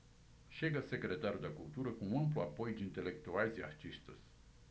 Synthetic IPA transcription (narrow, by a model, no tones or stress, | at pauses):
ʃeɡəsekɾet̪aɾud̪eakult̪uɾəkuməmploapojd͡ʒint̪elek̚t̪ualzʲia̰ht͡ʃiʃt̪əs